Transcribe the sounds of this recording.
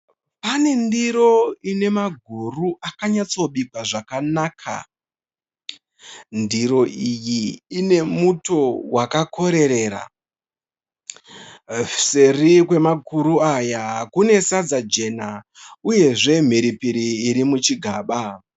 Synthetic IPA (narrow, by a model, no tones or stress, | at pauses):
pane̞ndiɾo̞ine̞maɡʱuruʔakaɲat͡so̞ɓikwaʐakanakʰa̰ | ndiɾo̞ijiːne̞muto̞wakakʰo̞ɾe̞ɾe̞ːɾa̰ | serikwe̞maɡuɾuajakune̞sad͡zad͡ʒe̞na | uje̞ʐe̞m̤iɾipiɾiːɾimut͡ʃiɡʱaːɓa